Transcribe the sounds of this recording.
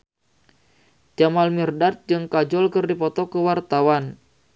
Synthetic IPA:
d͡ʒamalmirdat̪̚d͡ʒɨŋkad͡ʒɔlkɨrdipɔt̪ɔkəwart̪awan

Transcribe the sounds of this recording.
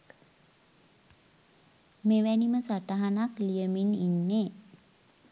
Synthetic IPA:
meʋæniməsaʈaɦanaklijəmininːe

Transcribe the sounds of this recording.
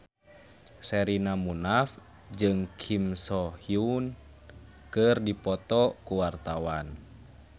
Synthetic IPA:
sɛɾinamunaf | d͡ʒɨŋkʰimsɔhiun | kɨrdipɔt̪ɔkuwart̪awan

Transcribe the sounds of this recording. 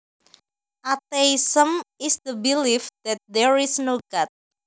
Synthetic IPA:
ʔat̪eisəmisd̪əbilifd̪̥ɛt̪̚dɛɹisnoɡat̪̚

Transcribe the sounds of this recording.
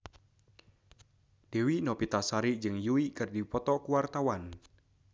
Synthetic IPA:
d̥ewinɔpit̪asaɾid͡ʒɨŋjuikɨrdipɔt̪ɔkuwart̪awan

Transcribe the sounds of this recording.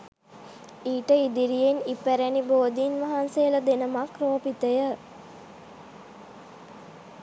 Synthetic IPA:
iːʈəid̪iɾijenipːæɾæniboːd̪inʋɐɦansejələd̪enəmakroːpit̪əjə

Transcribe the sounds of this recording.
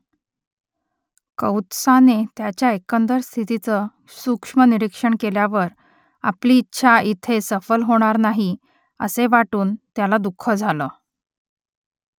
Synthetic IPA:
kəwt̪sanet̪jat͡ɕjaekənd̪əɾst̪ʰit̪it͡sə | sukʂməniɾikʂəɳkeljaʋəɾ | a̰pliːtːɕʰaʔit̪ʰesəfəlɦoɽ̃aɾnaɦi | ə̰seʋaʈuːnt̪jalad̪ukʰːəd͡zʱalə

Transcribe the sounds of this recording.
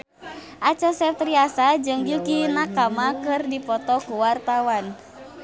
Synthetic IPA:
ʔat͡ʃɔsɛt̪ɾiasad͡ʒɨŋɡukinakamakɨrdipɔt̪ɔkuwart̪awan

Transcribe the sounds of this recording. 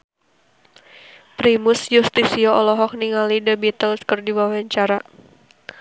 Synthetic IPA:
pɾimusjust̪isiɔɔlɔɦɔk̚niŋalidəbit̪əlskərdiwawaɲt͡ʃaɾa

